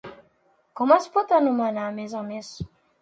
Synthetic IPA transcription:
kɔmãspot̪anumanamezãmes

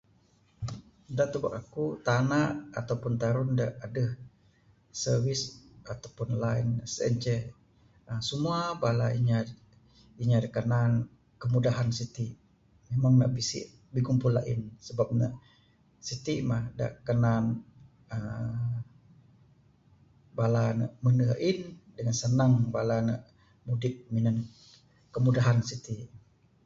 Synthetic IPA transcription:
daʔt̪uba̰kakut̪anaʔat̪awpʊnt̪aɾʊndaʔːdəh | sərvisat̪awpʊnlainsə̰nt͡ʃɛ | əsəmuabalaiɲa | iɲadakənan | kəmudaɦansit̪iʔ | memaŋna̰ʔbisḭʔ | bikumpula̰ʔɪ̰nsəbap̚na | sit̪imahda̰ʔkənan | ə | balanə̰ʔmənəaʔɪndəŋansənaŋbalanəʔ | mudɪk̚minan | kəmudaɦansit̪i

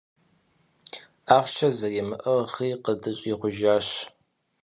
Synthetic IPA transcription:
aːʁʷt͡ʃʰɐzɐɡeːmɨʔɐʁχiːqədɨɕʼiːʁʷʊʒaːɕ

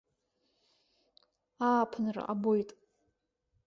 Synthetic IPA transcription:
aːpʰɨnra̰ʔabojtʼ

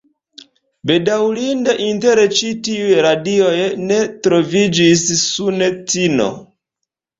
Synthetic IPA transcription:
bedawlindaʔinte̞ɾet͡ʃitiujɾadio̞jne̞tɾo̞vid͡ʒisːunet͡sino̞̰

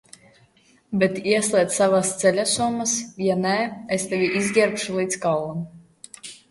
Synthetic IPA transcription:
bet̪iɛslˠiɛt̪savast̪sɛlʲasumːasjanɛest̪ɛvʲiʔizʲɡʲɛɾpʃulˠiːt̪skallˠam

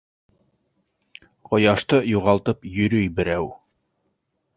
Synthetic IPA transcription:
qŏjɑʃt̪ɤjuʁɑlˠt̪ɤpjɵ̆ɾɵjbɘ̆ɾæw

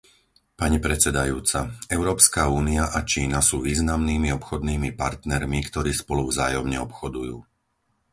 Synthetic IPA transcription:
paɲipɾɛt͡sɛd̪ajuːt͡saɛʊɾɔːpskauːniaʔat͡ʃiːnasuːʋiːznamniːmiɔpxɔd̪niːmipaɾt̪nɛɾmikt̪ɔɾiːspɔluvzaːjɔmɲɛɔpxɔd̪ujuː

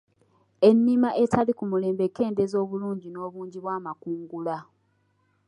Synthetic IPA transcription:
e̞nːimaʔe̞tʰalikumule̞ːmbekːe̞ːnde̞zo̞ːβuluːɲɟino̞ːβuːɲɟiβwaːmakuːŋɡula

